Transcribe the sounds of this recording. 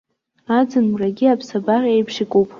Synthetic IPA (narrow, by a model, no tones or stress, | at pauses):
ad͡zɨnwraɡʲiapʰsabarʲʼejpʰʂɪkʷʼupʼ